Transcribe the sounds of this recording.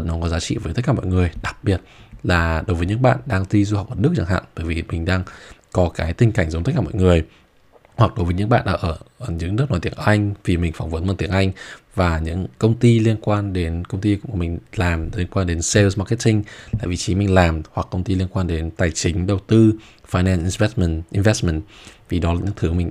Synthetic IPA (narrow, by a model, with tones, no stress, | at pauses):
nɔ˨˦kɔ˨˦zaː˨˦t͡ɕḭ˧˨vəː˨˦t̪ə˦˥k̚kaː˧˩mɔ̰˧˨jŋɨ˨˩əjɗa˨˩k̚ɓi˨˩ət̚laː˨˩ɗo˨˦jvəː˨˦jɲɨ̰˧˥ŋɓa̰ː˧˨nɗaː˧ŋt̪i˧zu˧hwk͡p̚ʔəː˧˩nɨ˦˥k̚t͡ɕa̰˧˩ŋɦa̰ː˧˨nɓəː˧˩jvi˨˩mï˨˩ŋ̟ɗaː˧ŋkɔ˨˦kaː˨˦jt̪ï˧ŋ̟ka˧˩jŋ̟zt̪k̚aː˧˩ɔ̰˧˨ŋɨ˨˩əj | hwa˨˩k̚ɗo˨˦jvə˨˦jɲɨ̰˧˥ŋɓa̰ː˧˨nɗaː˧ʔəː˧˩˨ɲɨ̰˧˥ŋnɨ˦˥nɔ˨˦jt̪i˨˧˦əŋʔa˧jŋ̟vi˨˩mï˨˩ŋ̟fa˧˩wŋ͡mvə˨˦nma˧˩nt̪i˨˧˦əŋʔa˧jŋ̟vaː˨˩ɲɨ̰˧˥ŋkə˧wŋ͡mt̪i˧li˧ənkwaː˧nɗe˨˦nkə˧wŋ͡mt̪i˧kʊ̰˧˥ŋ͡mmï˨˩ŋ̟laː˨˩mli˧ənkwaː˧nɗe˨˦nse˧lzma˧ke˦˥tï˧ŋla̰ː˧˨vḭ˨˩t͡ɕi˨˦mï˨˩ŋ̟laː˨˩mhwa˨˩kːə˧wŋ͡mt̪i˧li˧ənkwaː˧nɗe˨˦nt̪aː˨˩jt͡ɕï˨˦ŋ̟ɗə˨˩wt̪ɨ˧ | faː˧jnɛ˧nʔi˧nvɛ˦˥smɛ˧˩nʔi˧nvɛ˦˥stm˧˨ntvi˨˩ɗɔ˨˦laː˨˩ɲɨ̰˧˥ŋt̪ʰɨ˨˦mï˨˩ŋ̟